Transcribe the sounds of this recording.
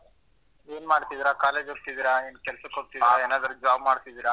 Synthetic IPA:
eːnmaːɽt̪id̪iɾakaːle̞ːd͡ʒoɡ̚t̪id̪iɾaeːnkɛlsɐkoɡ̚t̪ieːnaːd̪ɐɾud͡ʒaːbmaːɽt̪id̪iɾa

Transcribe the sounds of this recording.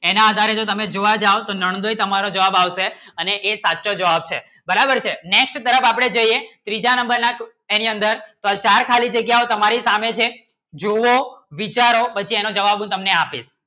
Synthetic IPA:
enãːd̪ʱaɾed͡ʒot̪əmed͡ʒoʋad͡ʒaot̪onəɳ̃d̪oit̪əmaɾod͡ʒəʋabaʋʃeəneʔːsatːʃod͡ʒəʋab̚t͡ʃʰe | bəɾabəɾt͡ʃʰeneksʈt̪əɾəfapɽ̃ed͡ʒəiet̪ɾid͡ʒanəmbəɾnak | eniənd̪əɾt̪oat͡ʃaɾkʰalid͡ʒəɡjaot̪əmaɾisamet͡ʃʰe | d͡ʒoʋoʋit͡ʃaɾopət͡ʃʰienod͡ʒəʋabũt̪əmneapḭʃ

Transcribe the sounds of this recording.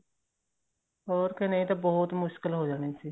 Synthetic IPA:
ɔːɾkeneĩt̪aːbɔːʊt̪mʊʃkɪlɦoːd͡ʒaːɽ̃eːsiː

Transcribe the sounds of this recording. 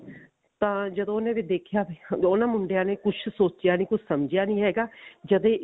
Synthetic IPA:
t̪ãːd͡ʒəd̪õːonẽːʋid̪eːkʰjaːbionãːmʊɳɖejaːneːkʊt͡ʃʰsoːt͡ʃjaːnĩːkʊt͡ʃʰsəmd͡ʒjaːnĩːɦɛːɡaːd͡ʒəd̪ẽː

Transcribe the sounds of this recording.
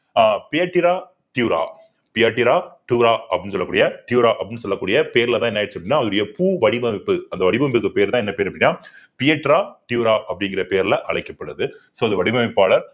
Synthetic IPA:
pɪjɐʈːɪɾaː | ʈɪjuːɾa̰ː | pɪjɐʈːɪɾaːʈuːɾaːʔɐpɐɽɪnːɯsɔlːɐkuːɽɪjɐʈ̪juːɾaːʔɐpːɐːɽɪnːɯsɔlːɐkːuːɽɪjɐpeːɾɪlɐt̪ãːɪɛnːɐːɪɾt͡ʃːɯɐpːɽɪnːaːɐðɯɾɽɪjɐpuːʋɐɽɪbɐmɪpːɯɐnd̪ɐʋɐɽɪbɐmbɯkːɯpeːɾt̪ãːɛnːɐpeːɾɐpːɐɽɪnːaːpɪjɐʈːɾaːʈɪjuːɾaːʔɐpːɐɽɪŋɡɪɾɐpeːɾɪlɐʔɐɭɐɪkːɐpːɐɽɯðɯsoːɐnɐʋɐɽɪmɐmɪpːaːɭɐɾ

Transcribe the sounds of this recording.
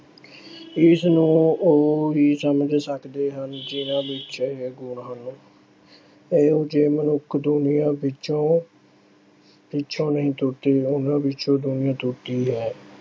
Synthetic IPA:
ɪsnũːoːiːsəməd͡ʒsəkd̪eːɦənd͡ʒɪnãːbɪt͡ʃʃeːɡʊɳɦən | eːoːd͡ʒeːmənʊkʰd̪ʊnɪjãːbɪt͡ʃõː | pɪt͡ʃʰõːnəɦĩːt̪ʊʈ̪eːʊnãːbɪt͡ʃõːd̪ʊnɪjãːt̪ʊʈiːɦɛː

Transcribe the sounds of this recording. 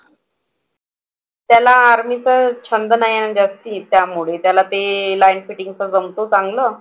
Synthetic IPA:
t̪jalaːɾmit͡sət͡ɕʰənd̪ənajaɡast̪it̪jamuɭet̪jalat̪elajinfiʈiŋt͡səd͡zəmt̪ot͡saŋɡlə

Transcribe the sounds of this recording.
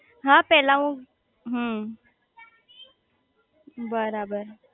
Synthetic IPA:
ɦãpɛlãũ | ɦə | bəɾabəɾ

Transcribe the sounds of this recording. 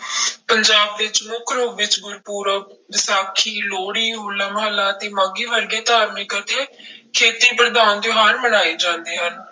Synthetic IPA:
pəɲd͡ʒaːb̚ʋɪt͡ʃmʊkʰɾoːʋɪt͡ʃɡʊɾpuːɾəʋɪsaːkʰiːloːɽiːɦoːlaːməɦəlːaːt̪eːmãːɡiːʋəɾɡeːt̪aːɾmɪkət̪ʰeːkʰeːt̪iːpɾəd̪aːnd̪joɦaːɾmənaːeːd͡ʒãːnd̪eːɦən

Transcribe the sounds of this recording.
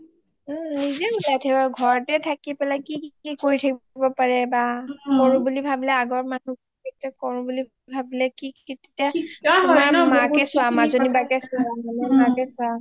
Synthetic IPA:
m̩nizɛbulajtʰabaɡʱɔɹtɛtʰakipɛlakikikoɹitʰakbɔpaɹɛbakɔɹũbulibʱablɛaɡɔɹmanub | ketakɔɹũbuli | bʱablɛkikettaɔmɹmakɛsʊamazonibakɛsʊaanamakɛsʊa

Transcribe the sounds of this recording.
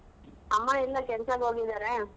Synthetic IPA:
ɐmːailːɐkɛnɐsaɡɦoːɡid̪aːɾe

